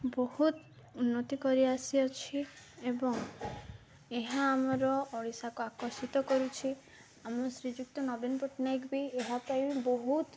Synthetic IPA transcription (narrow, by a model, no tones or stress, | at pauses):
bɔhut̪ | unːɔt̪ikɔɾiasiɔt͡ʃʰiebɔŋ | eɦaːmɔɾɔːɽisakuakɔsit̪ɔkɔɾut͡ʃʰi | amɔsɾid͡ʒuk̚t̪ɔnɔbinɔpɔʈnajkbieɦapaĩbɔɦut̪